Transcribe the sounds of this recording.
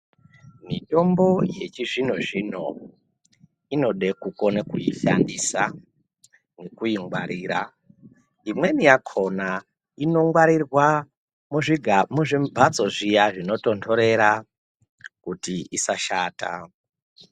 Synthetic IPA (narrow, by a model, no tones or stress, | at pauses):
mito̞mbo̞je̞t͡ʃiʐin̤oʐin̤o̰ | ino̞ɗe̞kuko̞nekuiɬa̰ndisa | nekuiŋɡwaɾiːɾa | imwe̞nijakʰo̞na | ino̞ŋɡwaɾirwa | muʐiɡʱamuʐimbʱat͡so̞ʐijaʐino̞to̞ndʰo̞ɾe̞ɾa | kutiisaʃaːta̰